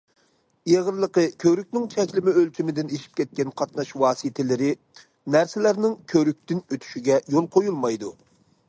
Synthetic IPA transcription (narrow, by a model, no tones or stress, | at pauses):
eʁəɾlˠəqəkʲʰøɾyk̚ʲnɪŋt͡ʃʰɛzlɪmɪølt͡ʃʰimɪd̪ɪneʃi̥p̚kʲɛt̪̚kʲɛnqʰɑt̪nɑʃwɑːsit̪ʰɪlɪɾɪ | næɾsɪlæɾnɪŋkʲʰøɾyk̚ʲt̪ɪnøt̪ʰy̥ʃiɡʲɛjolˠqʰojulˠmɑjd̪u